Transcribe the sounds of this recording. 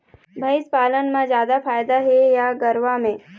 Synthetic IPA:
bʱɐɪspaːlənmãzjaːd̪afaːjd̪aɦɛjaɡəɾʋamẽː

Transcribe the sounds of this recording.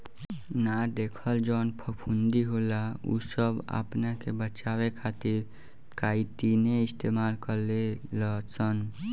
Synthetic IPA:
nad̪eːkʰəld͡ʒɔːnpʰəpʰund̪iɦoːlaṵsəba̰pnakebət͡ʃaːwekʰaːt̪ɪɾ | kaːit̪ineɪst̪eːmaːlkəɾleləsən

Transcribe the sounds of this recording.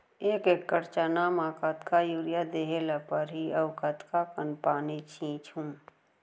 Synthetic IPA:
eːkeːkːəɾt͡ʃanamaːkat̪kajuːɾijad̪eɦelapəɾɦiɐʋkət̪kakənpaːnet͡ʃʰĩːt͡ʃhũː

